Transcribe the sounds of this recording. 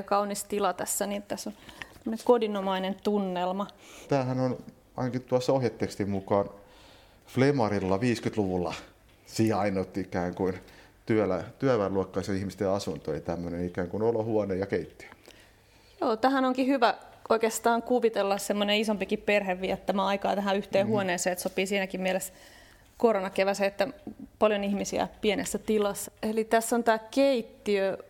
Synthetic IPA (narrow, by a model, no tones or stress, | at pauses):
kɑunist̪ilɑt̪æsːænit̪t̪æsːonæmːə̆neŋkodinomɑinent̪unːelmɑt̪æːhænon | ɑ̰inɑkit̪uɑsːɑohjet̪ːekst̪immukɑːn | flemɑrilːɑʋiːskyt̪luʋulːɑ | siːhɑinot̪ːiikæːŋkuin | t̪yælæt̪yæʋæluɑkːɑisɑihmist̪eɑsunt̪oḛt̪æmːønenikæːŋkunolohuɑnejɑkeit̪ːi̥æ̥ | joːt̪æɦænoŋkihyʋæʔoikeːst̪ɑːŋkuʋit̪elːɑssemːoneisompikipperheʋʋiɑt̪t̪æmæɑikɑ̰ːt̪æɦæyht̪eːhuoneːseːet̪sopiːsiːnækimmieles | koronɑkeʋæsæet̪ːæpɑljonihmisiæ̰pienesːæt̪ilɑsːelit̪æsːont̪æːkeit̪ːiø